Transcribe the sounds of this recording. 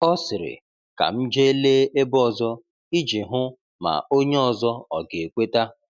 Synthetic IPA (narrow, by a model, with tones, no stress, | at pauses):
ɔ˦sɪ˨ɾɪ̰˨ | ka̰˨m̩˦d͡ʒe˦e˦le˦ʔe˦bɔ˦˨zɔ˦ | i˦d͡ʒi˨ɦʊ˦ | ma̰˨o˦ɲe˦ɔ˨zɔ˦ɔ˨ɡe˨e˨kʷe˦ta˦